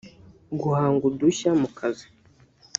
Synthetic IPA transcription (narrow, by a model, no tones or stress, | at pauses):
ɡuhaːŋɡuduɕamukʰazi̥